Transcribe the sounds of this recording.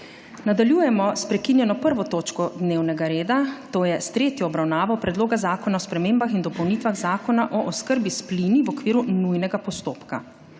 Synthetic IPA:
nad̪aljuːjɛmɔspɾɛkinjɛnɔpəɾʋɔt̪oːt͡ʃkɔd̪neːwnɛɡaɾeːd̪at̪oːjɛst̪ɾeːt̪jɔːbɾawnaːʋɔpɾɛd̪loːɡazaːkɔnaɔspɾɛmeːmbaxind̪ɔpɔwnit̪ʋaɣzaːkɔnaʔɔʔɔskəɾbispliniʋɔkʋiːɾunujnɛɡapɔst̪oːpka

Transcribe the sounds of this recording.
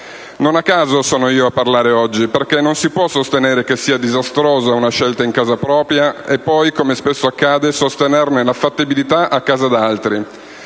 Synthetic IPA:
nonakːaːzosɔːnoiːoapːarlaːɾeɔd͡ʒːiperkenːonsipwɔsːost̪eneːɾek̟esːiːad̪izast̪ɾoːzaunaʃelt̪aiŋkaːzapɾɔːpɾjaepːɔjkomespesːoakːaːd̪esost̪enernelafat̪ːibilit̪aʔakːaːzad̪alt̪ɾi

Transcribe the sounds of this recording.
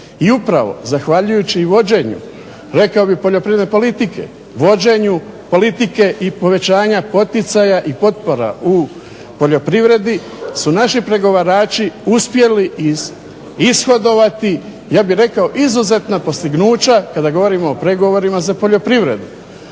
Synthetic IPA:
iupɾaʋo̞̰zaxʋaʎujut͡ɕiːʋo̞d͡ʑe̞ːɲṵ | ɾe̞kaobixpoʎopɾived̪nepo̞lit̪ikʰe̞̰ | ʋo̞d͡ʑe̞ɲu | po̞lit̪ike̞ʔipo̞ʋe̞t͡ɕaːɲapo̞t̪it̪sajaʔipo̞t̪̚po̞ɾa̰u | po̞ʎo̞pɾiʋɾe̞d̪i | sunaʃipɾe̞ɡo̞ʋaɾaːt͡ʃiuspje̞liiz | isxo̞d̪o̞ʋat̪i | jaːbiɾe̞kao̞ʔizuze̞t̪napo̞st̪iɡnuːt͡ɕakad̪aɡo̞ʋo̞ɾimoːpɾe̞ɡo̞ʋo̞ɾimazapo̞ʎo̞pɾiʋɾe̞̰d̪u

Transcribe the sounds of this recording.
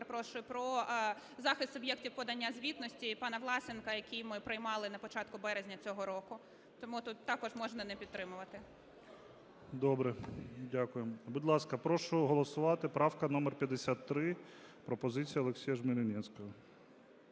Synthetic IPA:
pɾɔʃʊɪpɾɔ | zɑxɪst̪ɔbʲjɛktʲiwpɔd̪ɐnʲːazʲʋʲit̪nɔsʲtʲipɑnɐʋlˠɑsʲenkɐjɐkʲijmɪpɾɪjmɑlˠɪnɐpɔt͡ʃɑt̪kʊbɛɾezʲnʲɐt͡sʲɔɦɔɾɔkʊ | t̪ɔmut̪ut̪ːɑkɔʒmɔʒnɐnɛpʲid̪t̪ɾɪmʊʋɐt̪ɪ | d̪ɔbɾɛdʲakʊjembud̪ʲlˠɑskɐpɾɔʃʊɦɔlˠɔsʊʋɑt̪ɪpɾɑwkɐnɔmɛrpʲjɐd̪esʲat̪ːɾɪpɾɔpɔzɪt͡sʲijɐlˠeksʲijɐʒmɪɾʲɪnʲɛsʲkɔɦɐ

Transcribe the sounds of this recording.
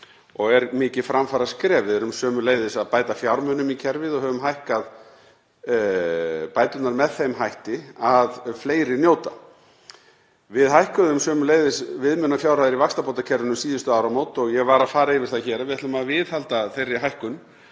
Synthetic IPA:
ɔɣɛɾmɪːcɪfɾamfaɾaskɾɛːvɪðɛɾʏmsœːmʏleːjðɪsaðpaːjt̪afjawɾmœnʏmicʰɛɾvɪðɔɣhœːvʏmɦajhkað | paːjt̪ʏt̪naɾmɛðθejmɦajht̪ɪaðfleːjɾɪnjoːwt̪a | vɪðɦajhkʏðʏmsœːmʏleːjðɪsvɪðmʏnafjawɾ̥rajðɪɾivakst̪apowt̪acʰɛɾvɪnʏmsiːðʏst̪ʏaːwɾawmoːwt̪ɔɣjɛɣvaːɾafaːɾaeɪvɪ̥θaçɛːɾaðvɪðɛt̪maðvɪðhalt̪aθejrːɪɦajhkʏn

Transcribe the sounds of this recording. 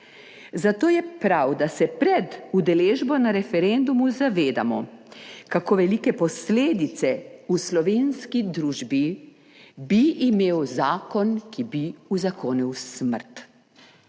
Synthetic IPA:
zat̪oːjɛpɾawd̪asɛpɾɛd̪ud̪ɛleːʒbɔnaɾɛfɛɾend̪umuzaʋeːd̪a̰mɔkakoːʋɛlikɛpɔsleːd̪it̪sɛuslɔʋeːnskid̪ɾuːʒbi | biʔimeːwzaːkɔnkʰibiuzakoːnɛwsməɾt̪

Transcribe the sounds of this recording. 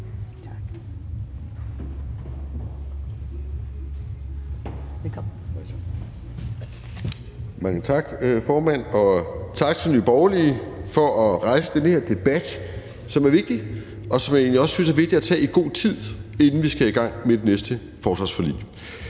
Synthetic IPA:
mɑ̈ŋət͡sʰɑ̈ɡ̥fɒːmæn̰ɒ̽t͡sʰɑ̈ɡ̥t͡sʰelnyb̥ɒʊlifɒ̽ʔɒʁɑ̈ɪsəd̥enəhe̝ɐ̰d̥e̝b̥æd̥ | sɒ̽mæɐʋe̝ɡ̥̚d̥i | ɒ̽sɒ̽mjæe̝̰ːnliɒ̽ssynsæɐʋe̝ɡ̥̚d̥iæt͡sʰɛ̰ːiɡ̥o̝̰ːt͡sʰið̞̰ˠe̝nn̩ʋisɡ̥æiɡ̥ɑ̈ŋ̰med̥e̝nesd̥ə | fɒːsʋɑ̈sfɒlḭː

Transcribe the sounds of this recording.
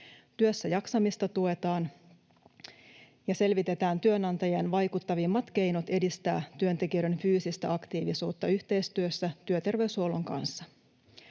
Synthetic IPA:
t̪yøsːæjɑksɑmist̪ɑt̪ue̞t̪ɑːn | jɑse̞lʋit̪e̞t̪æːnt̪yønɑnt̪ɑjɑnʋɑjkut̪ːɑʋimːɑt̪ke̞jnot̪e̞dist̪æ̰ːt̪yønt̪e̞kiøɾe̞nfyːsist̪æɑkt̪iːʋisuːt̪ːɑyht̪e̞jst̪yøsːæt̪yøt̪e̞rʋe̞ysholoŋkɑ̰nsːɑ

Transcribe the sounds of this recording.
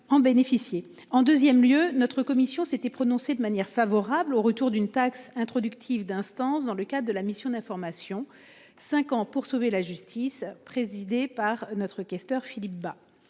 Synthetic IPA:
ɑ̃benefisje | ɑ̃d̪øzjɛmljønɔt̪χəkɔmisjɔ̃set̪ɛpχɔnɔ̃sed̪əmanjɛʁfavɔʁabloʁət̪uʁd̪ynt̪aksɛ̃t̪χɔd̪ykt̪ʰivd̪ɛ̃st̪ɑ̃sd̪ɑ̃ləkad̪ʁəd̪əlamisjɔ̃d̪ɛ̃fɔʁmasjɔ̃ | sɛ̃kɑ̃puʁsovelaʒyst̪ʰispχezid̪epaʁnɔt̪χəkʲɛst̪œʁfilip̚ba

